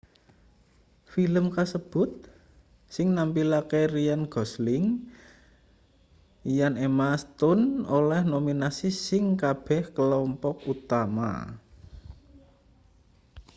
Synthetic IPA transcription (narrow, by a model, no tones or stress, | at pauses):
filəmkasəb̥ʊ̤t̪̚ | sɪŋnampilakerijanɡ̥ɔ̤slɪŋ | ijanemast̪ʊnolɛhnominasisɪŋkab̥ɛ̤hkəlɔmpɔkut̪ama̰